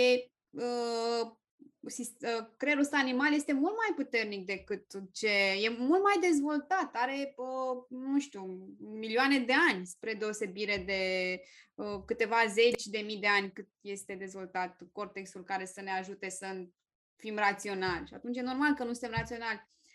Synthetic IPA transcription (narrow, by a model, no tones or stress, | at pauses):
e | ə | sisəkɾe̞ɾusanimalje̞st̪e̞mult̪majput̪e̞rnik̚d̪e̞kɨt̪t͡ʃe̞je̞mult̪majd̪e̞zvo̞lt̪at̪aɾe̞ənuʃt̪umilioane̞d̪e̞anʲspɾe̞d̪e̞o̞se̞biɾe̞d̪e̞ | əkɨt̪e̞vaze̞t͡ʃʲd̪e̞mijd̪e̞anʲkɨt̪̚je̞st̪e̞d̪e̞zvo̞lt̪at̪ko̞rt̪e̞ksulkaɾe̞səneaʒut̪e̞sə | fimrat̪sio̞nalʲʃia̰t̪unt͡ʃjeno̞rmalkənusɨnt̪emrat̪sio̞nalʲ